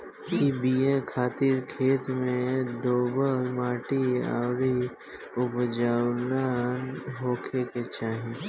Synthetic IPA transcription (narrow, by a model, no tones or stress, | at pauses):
ibiekʰaːt̪iɾkʰeːt̪mẽɖoːbəlmaːʈia̰ːwɾi | ʊbd͡ʒaːlanɦoːkʰeket͡ʃaːɦĩ